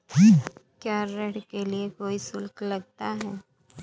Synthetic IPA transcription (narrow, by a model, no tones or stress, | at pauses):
kiːkjaːɾːɛɽkeliekoːisʊlklɐɡ̚t̪aɦɛː